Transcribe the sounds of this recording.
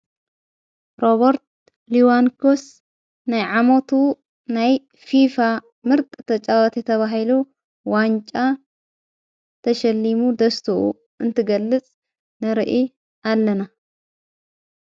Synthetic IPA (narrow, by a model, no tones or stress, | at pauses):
ɾoβɐɾt̪̚ | liwankʰos | najʕamot̪ʰu | naj | fifa | mɨɾt̪ʼt̪ʰɐt͡ʃʼawɐt̪ʰit̪ʰɐβaɦilu | want͡ʃʼa | t̪ʰɐʃɐlːimud̪ɐst̪ʰuṵ | ɨnt̪ʰɨɡɐlːɨt͡sʼ | nɨɾɨʔi | alːɐna